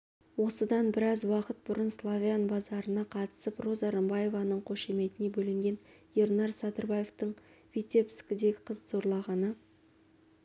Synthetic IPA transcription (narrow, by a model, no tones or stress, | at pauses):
wo̞səd̪ɑnbɪɾɑzwɑqət̪̚bʊɾənslˠavʲianbɑzɑɾənɑqʰɑt̪ə̥səpro̞zɑɾəmbɑje̞vɑnəɴqʰoʃe̞me̞t̪ɪne̞bɵlɪŋɡʲe̞nje̞rnɑɾsad̪ərbajeft̪əɴvʲit̪ʲe̞pskʲɪd̪e̞ɡʲɪqʰəzzo̞ɾlˠɑʁɑnə